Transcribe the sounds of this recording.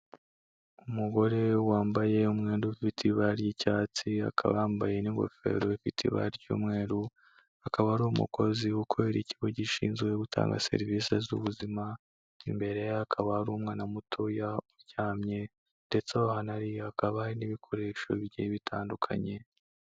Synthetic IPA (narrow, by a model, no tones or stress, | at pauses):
umuɡo̞ɾe̞waːmbaje̞umŋeːnduifitʰiβaɾjicaːt͡sia̰kʰa̰βaːmbaje̞niŋɡo̰fe̞̰ɾo̞ifitʰḭβa̰ɾɟṵːmŋe̞ːɾu | akaβaɾuumṵkʰo̞ziukʰoβeɾiciɡoɟiʃḭːnzɡwe̞ɡutʰa̰ːŋɡa̰se̞̰ɾivisezṵβuzima | ḭmbe̞ɾe̞jakʰaβahaɾuːmŋaːnamutʰojauɾɟaːmɲe̞ | nde̞t͡sewahanaɾiakaβaaɾiniβikʰo̞ɾe̞ːʃo̞̰βiɟeβitʰaːndukʰa̰ɲe̞